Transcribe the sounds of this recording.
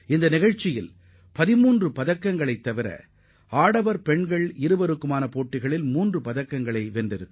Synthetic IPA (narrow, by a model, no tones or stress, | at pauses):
ɪnd̪ɐnɪɣɐɻt͡ʃːɪjɪl | pɐðɪmuːndrɯpɐðɐkːɐŋɡɐɭɐɪt̪ːɐʋɪɾɐ̰ | aːɽɐʋɐɾpɛɳɡɐɭɪɾɯbɐɾɯkːɯmaːnɐpoːʈːɪɣɐɭɪlmuːndrɯpɐðɐkːɐŋɡɐɭɐɪʋɛndrɪɾɯkː